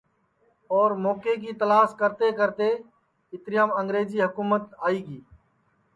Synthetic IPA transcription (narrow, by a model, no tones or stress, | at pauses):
ɔːɾmoːkeːk̬iːt̪əlaːskəɾt̪eːkəɾt̪eː | ɪt̪ɾɪjaːməŋɡɾeːd͡ʒiːɦəkuːmət̪aːiːɡiː